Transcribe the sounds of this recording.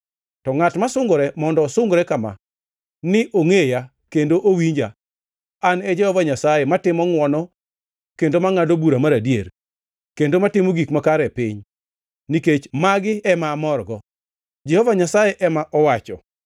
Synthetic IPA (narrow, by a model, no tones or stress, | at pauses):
tɔŋatmasʊŋɡoɾɛmɔndɔsʊŋɡɾɛkama̰ | nɪʔoŋeja | kendoʔowiɲd͡ʒa | anɛd͡ʒɛhɔvaɲasajematɪmɔŋwɔnɔ | kendomaŋadobuɾamaɾadjer | kendomatɪmoɡikmakaɾɛpɪɲ | niket͡ʃmaɡɪɛmamɔrɡɔ | d͡ʒɛhɔvaɲasajɛʔɛmaʔɔwat͡ʃɔ̰